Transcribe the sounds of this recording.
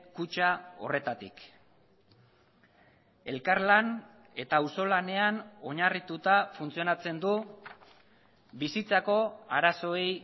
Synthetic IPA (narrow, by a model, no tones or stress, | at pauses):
kut͡ʃao̞̰re̞t̪at̪ḭk | e̞lkaɾlan | e̞t̪auso̞lane̞ano̞ɲarit̪ut̪afunt͡sio̞nat͡se̞nd̪u | bisit͡sako̞aɾaso̞ej